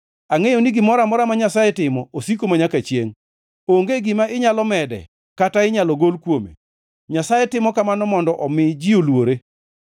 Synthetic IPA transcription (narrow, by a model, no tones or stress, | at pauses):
aŋejoniɡɪmɔɾamɔɾamaɲasajɛtɪmɔosikomaɲakat͡ʃjḛŋ | oŋɡeɡɪmaʔɪɲalɔmɛdɛ̰ | kataɪɲalɔɡolkwomḛ | ɲasajɛtɪmɔkamanɔmɔndɔʔɔmɪd͡ʒiolwoɾe